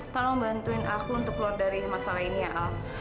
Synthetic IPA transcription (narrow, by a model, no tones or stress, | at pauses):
t̪almbant̪uɪnakuunt̪ʊklɔɔrdaɾimasalainiaʔa